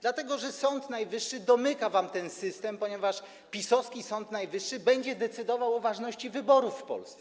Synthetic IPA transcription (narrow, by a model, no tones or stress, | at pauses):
d̪lat̪ɛɡɔʐɛsɔnt̪najvɘʂːɘd̪ɔmɘkavamt̪ɛnsɘst̪ɛmpɔɲɛvaʂ | pʲisɔskʲisɔnt̪najvɘʂːɘbɛɲd͡ʑɛd̪ɛt̪sɘd̪ɔvawɔvaʐnɔɕt͡ɕivɘbɔɾufːpɔ̰lst̪sɛ